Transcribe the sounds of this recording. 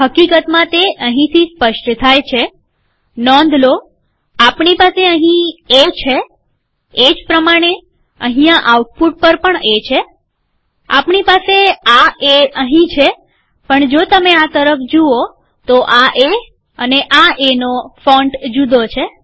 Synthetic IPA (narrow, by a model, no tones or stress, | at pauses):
ɦəkikət̪mãt̪eʔəɦĩt̪ʰispəʃʈt̪ʰajt͡ʃʰe | nɔ̃nd̪ʱlo | apɳipaseəɦĩet͡ʃʰeː | d͡ʒpɾəmaɽ̃e | ə̰ɦĩjãʔauʈ̚puʈ̚pəɾpəɳet͡ʃʰe | a̰pɳipaseaeəɦĩt͡ʃʰe | pəɳd͡ʒot̪əmeat̪əɾəfd͡ʒuo | t̪oʔaʔe | əneʔaʔenofɔɳɖd͡ʒud̪ot͡ʃʰe